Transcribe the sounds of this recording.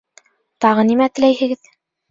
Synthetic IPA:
t̪ɑʁɤnimæt̪ɘ̆læjhɘ̆ɡɘð

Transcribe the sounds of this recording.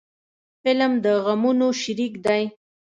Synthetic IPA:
fɪlmd̪əɣamunoʃɪɾikd̪aj

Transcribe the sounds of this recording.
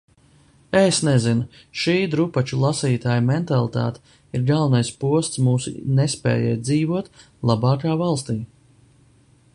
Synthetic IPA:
esnɛzin | ʃiːd̪ɾupat͡ʃulˠasiːt̪aːjumɛnt̪alˠit̪a̰ːt̪ | iɾɡalˠvnajspuɔst̪smuːsṵnɛspɛ̰ːjɛ̰ːt̪d̪ziːvuɔt̪ | lˠabɑːkaːvalˠst̪iː

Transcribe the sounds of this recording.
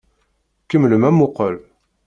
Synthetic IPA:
kəmləmæmʊqəl

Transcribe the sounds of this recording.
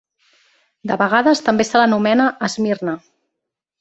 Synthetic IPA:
d̪əβəɣ̞aðəst̪əmbesələnumɛnəʔːzmirnə

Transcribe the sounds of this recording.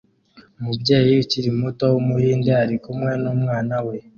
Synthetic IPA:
omubje̞ːjiciɾimuto̞womuhiːnde̞aɾikumwe̞nomŋaːnawe̞

